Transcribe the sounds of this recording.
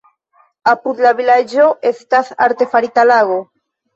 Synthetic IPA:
apud̪laβilad͡ʒoest̪aθa̰ɾt̪efaɾit̪alaɣo

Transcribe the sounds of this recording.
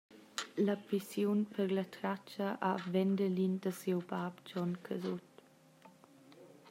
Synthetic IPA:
ləpisjunpʰəɾlət̪ɾat͡ʃəʔavɛndəlindəsiwbapd͡ʒɔnkʰəzut̪

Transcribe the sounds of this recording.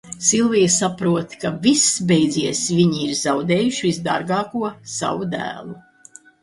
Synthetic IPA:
silˠvijsapɾuɔt̪kavisbejd̪ziɛsvʲiɲiiɾzawd̪ɛːjuʃivizd̪a̰ɾɡɑːkuɔsa̰vud̪æ̰ːlˠu

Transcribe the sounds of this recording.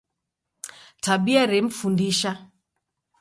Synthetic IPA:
taɓiaɾɛm̩fundiʃa

